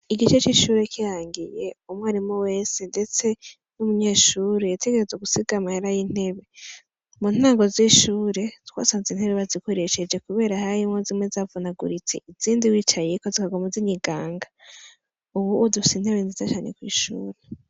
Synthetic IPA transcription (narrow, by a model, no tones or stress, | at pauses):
iɡit͡ʃe̞t͡ʃiːʃuːɾe̞kijaːŋɡije̞umwaːɾimoweːsende̞t͡se̞ | numuɲe̞ːʃuːɾejatʰeɡe̞ɾe̞zeɡusiɡamaheɾajin̥e̞βe̞ | mun̥aːŋɡo̞ziʃuːɾe̞tʰwa̰ːsaːnzin̥he̞βeβazikoɾe̞ʃe̞d͡ʒe̞kuβe̞ːɾahajimozimwe̞zavunaɡṵɾit͡se̞̰ʔiziːndiwiːt͡ʃajekozikaɡo̞maziɲiɡaːŋɡa | uβuʔodufisinhe̞βenzizat͡ʃaːnekwḭːʃṵːɾe